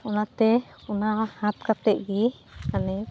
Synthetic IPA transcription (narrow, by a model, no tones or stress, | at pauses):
ɔnat̪ɛ | ɔnahãt̪kat̪ɛʔɡikanɛ